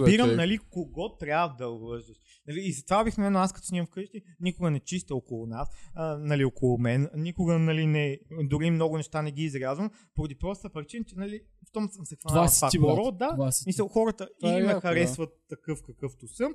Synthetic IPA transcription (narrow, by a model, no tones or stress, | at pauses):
biɾəmnɐlikoɡɔt̪ːɾʲjavəd̪ɐʊbvɤʒd̪əʃ | nɐliːzɐt̪vabixnɛmɛnaskɐt̪ɔ̥sivɐmfkɤʃt̪inikʊɡənɛt͡ʃist̪əokolˠʊnasənɐliokolˠʊmɛnnikʊɡənɐlinɛd̪ʊɾimnɔɡʊnɛʃt̪anɛɡ̟iːzɾʲazvəm | poɾɐd̪ipɾɔst̪əpɾʲit͡ʃint͡ʃɛnɐli | ft̪ɔmsə̃msɛkvaafak̪ɾɔd̪amisəlˠxɔɾət̪əimɛxɐɾɛsvət̪ːɐkɤfkɐkɤft̪usəm